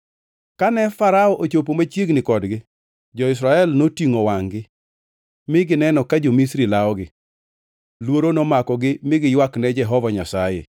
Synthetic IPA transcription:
kanɛfaɾaɔʔot͡ʃop̬omat͡ʃjeɡnɪkɔdɡɪ | d͡ʒɔɪs̬ɾaɛlnotiŋowaŋɡɪ | mɪɡɪnɛnɔkad͡ʒomisɾilaɔɡɪ | lwoɾonɔmakɔɡɪmɪɡɪjwaknɛd͡ʒɛɦɔvaɲasajḛ

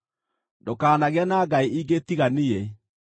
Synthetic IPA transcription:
ndokaːnaɣeanaɡaiiɡetiɣanie

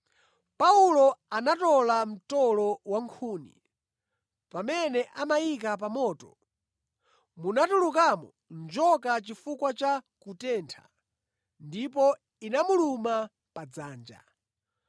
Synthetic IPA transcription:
paulɔanatɔlam̩tɔlɔwaŋkʰuːnḭ | pamɛnɛʔamajik̬ap̬amɔːtɔ | munatuluk̬amɔ | nd͡ʒɔkat͡ʃifukwat͡ʃa | kutɛːntʰa̰ | ndipɔ | inamuluma | pad͡zaːnd͡ʒa̰

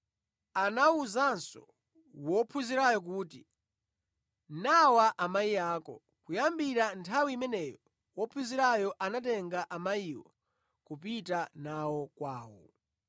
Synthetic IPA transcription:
anauzansɔ̰ | wɔpʰuziɾajɔk̬uːti | nawaʔamaiaːkɔ̰ | kujambiɾantʰawiːmɛnɛjɔ | wɔpʰuziɾajɔʔanatɛŋɡaʔamaiwɔ̰ | kupitanawɔkwaːwɔ

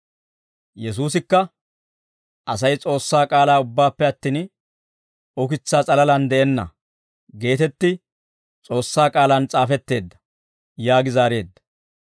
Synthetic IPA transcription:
jɛs̬uːs̬ɪkːɐ | ʔɐs̬ɐjt͡sʼo̞ːsːaːkʼaːlaːʊbːaːpːɛɐt̪ːiːn | ɔkɪt͡sːaːt͡sʼɐlɐlɐnd̪ɛɛnːɐ̰ | ɡe̞ːt̪ɛt̪ːɪ | t͡sʼo̞ːsːaːkʼaːlɐnt͡sʼaːfɛt̪ːe̞ːd̪ːɐ̥ | jaːɡɪzaːɾe̞ːd̪ːɐ̥

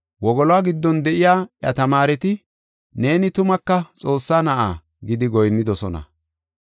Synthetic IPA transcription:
wɔɡɔlwaːɡɪd̪ːɔnd̪ɛʔɪjaːjɐ̰t̪ɐmaːɾɛt̪ɪ | ne̞ːnɪt̪ʊmɐkːɐt͡sʼo̞ːsːaːnɐʔa̰ː | ɡɪd̪ɪɡɔjnːɪd̪ɔsɔnɐ̰

